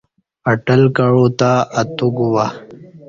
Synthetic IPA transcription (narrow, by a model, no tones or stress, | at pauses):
ɐʈəlkaɻot̪aːt̪uɡuwa